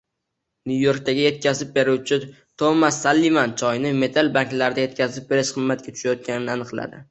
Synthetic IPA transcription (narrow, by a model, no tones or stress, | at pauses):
nʲujo̞ɾkt̪ʰaɡʲaje̞t̪̚kʲʰazɪp̚be̞ɾuwt͡ʃʰɪ | t̪ʰomasalːimant͡ʃʰɒjnɪme̞t̪ʰalbaŋkʲlaɾɪd̪aje̞t̪̚kʲazɪp̚be̞ɾɪʃqʰɨmːat̪̚kʲat̪ʊ̥ʃajɒt̪̚kʲanɪnɪanɨqlˠa̰d̪ɪ